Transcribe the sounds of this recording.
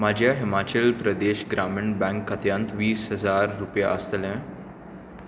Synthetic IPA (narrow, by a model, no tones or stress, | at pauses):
mad͡ʑʱjaɦimat͡ɕəlpɾəd̪eɕɡɾaminbɛ̃ŋkːət̪jə̃nt̪ʋiːsɦəd͡zaɾːupja̰ʔəst̪lɛ̃